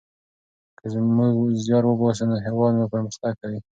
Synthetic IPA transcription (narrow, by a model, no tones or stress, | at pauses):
kəzmuɡzjɑɾwəbɑs̬ənaɦeɾwɑd̪mapəɾməxt̪aɡ̚kawi